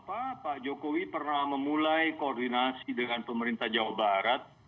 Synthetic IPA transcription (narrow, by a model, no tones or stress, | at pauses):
apapad͡ʒokowipərnahməmulajkoːrdinasidəŋanpəməɾint̪ahd͡ʒawabaɾat̪̚